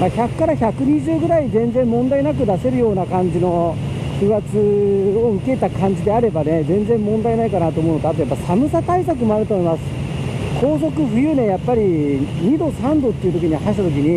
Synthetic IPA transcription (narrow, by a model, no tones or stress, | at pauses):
maçakːaɾaçakɯ̟ɲ̟iʑɨːɡɯ̟ɾaizẽ̞nd͡zẽ̞mːõ̞nd̪ainak̬ɯ̟d̪ase̞ɾɯ̟jo̞ːnakãɲ̟d͡ʑino̞ | kɯat͡sɨoɯ̟ke̞t̪akãɲ̟d͡ʑid̪e̞aɾe̞bane̞zẽ̞nd͡zẽ̞mːõ̞nd̪ainaikanat̪oːmo̞ɯnot̪at̪ojapːaisamɯ̟sat̪aisak̬ɯ̟mo̞aɾɯt̪o̞ːmo̞imasɨ̥ | kʰo̞ːs̬o̞kɯ̟ɸɯ̟jɯ̟ːnẽ̞japːaɾʲiɲ̟id̪o̞sãnd̪o̞t̪ːeiɯ̟t̪o̞kʲiɲ̟ihaɕi̥t̪at̪okʲiɲ̟i